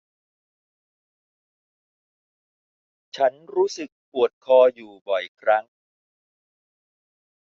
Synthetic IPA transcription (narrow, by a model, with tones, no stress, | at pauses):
t͡ɕʰa˦˥nɾuː˦˥sɯ˨˩k̚pu˨˩ət̪̚kʰɔː˧juː˨˩bɔ˨˩jkʰɾa˦˥ŋ